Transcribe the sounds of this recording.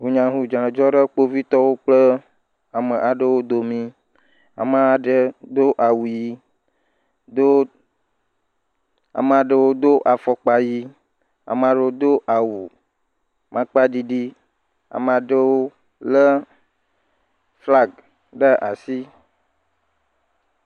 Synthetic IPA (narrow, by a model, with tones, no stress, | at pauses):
ɦu˨ɲã˨ɦu˨d͡ʒã˨d͡ʒɔ˦ɖə˦k͡po˦vi˦t̪ɔ˦wo˦k͡plə˦ | a˨mə̃˨ʔa˨ɖə˦wo˦d̪o˨mĩ˦ | a̰˨mã˦a˨ɖə˦d̪o˦ʔa˨wu˨ji˦ | d̪o˦ | a̰˨mə˨a˨ɖə˦wo˦d̪o˦ʔa˨fɔ˨k͡pa˨ji˦ | a̰˨mə˨a˨ɖə˦o˦d̪o˦ʔa˨wu˨ | mʔã˦k͡pa˦di˨ɖi˦ | a̰˨mə˨a˨ɖə˦wo˦ | lə˦ | fla˦ɡ | ɖə˦ʔa˨si˦